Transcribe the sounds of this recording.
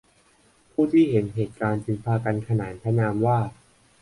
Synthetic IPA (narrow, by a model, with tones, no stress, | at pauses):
pʰuː˥˩t̪ʰiː˥˩ɦe˩˦nɦeː˨˩t̪̚kaː˧nt͡ɕi˧ŋpʰaː˧ka˧nkʰa˧naː˩˦npʰa˦˥naː˧mwaː˥˩